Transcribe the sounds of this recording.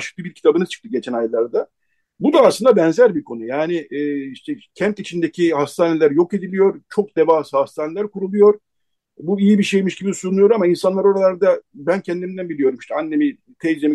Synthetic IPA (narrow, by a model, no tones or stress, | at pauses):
ʃɯ̥k̚t̪ɯbiɾcʰi̥t̪ʰabɯnɯzt͡ʃʰɯ̥kt̪ɯɟe̞t͡ʃʰænajlˠaɾd̪a | bud̪aːslˠɯnd̪abɛnzæɾbiɾkʰo̞nujaːnɪʔːiʃt̪ʰɛcʰænt̪it͡ʃʰind̪e̞cʰihast̪ʰaːne̞lʲæɾjo̞ke̞d̪ilʲijo̞ɾt͡ʃʰo̞k̚d̪evaːsɯhast̪ʰaːnelʲæɾkuɾulˠujo̞ɾ | buijibiʃe̞jmiʃɟibisunˠujo̞ɾamainsanlˠaɾo̞ɾalˠaɾd̪abæncʰɛnd̪imind̪ænbilʲijo̞ɾumiʃt̪ʰɛanːe̞mi | t̪ʰejd͡ʒemi